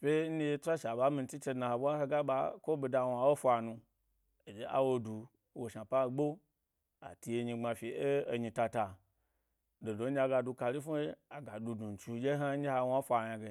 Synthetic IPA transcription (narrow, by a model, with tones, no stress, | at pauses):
fʲe˦n̩˦ne˧e˧tʷa˦ʃa˨ɓa˨˦mi˧n˦t͡ʃi˦t͡ʃe˧dna˧ho˨ɓʷa˦he˧ɡa˦ɓa˨ko˦bi˧da˧wa˨wo˦fʷa˨nũ˧ | e˨d͡ʒe˦ʔa̰˦wo˧du˨ | wo˨ʃa˨pa˦˨ɡ͡bo˦ | a̰˨ti˧je˧ɲi˧ŋ͡ma˧fi˨e˦o˧ɲi˧ta˧ta˨ | do˨do˨˦a˧ɡa˧du˧ka˧li˦fu˦e˦a˨ɡa˨du˧du˨n̩˨t͡ʃu˧d͡ʒe˦ɦa˦n̩˦d͡ʒi˦ha˧wa˦fʷa˨ɲã˧ɡe˨